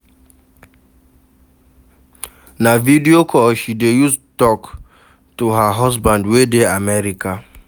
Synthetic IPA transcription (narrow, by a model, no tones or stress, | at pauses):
navidiokʰɔʃidejustɔk | toɦaɦɔzbãndwedeamɛɾika